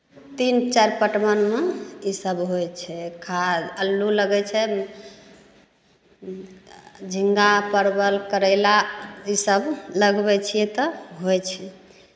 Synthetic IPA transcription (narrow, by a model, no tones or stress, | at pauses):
t̪int͡ʃɛɾpəʈmənmeisəbɦojt͡ʃʰɛkʰad͡ʒəlːuləɡɛt͡ʃʰɛ | d͡ʒʱiŋɡapəɾbəlkəɾɛlaisəbləɡbɛt͡ʃʰijɛt̪ɔɦojt͡ʃʰɛ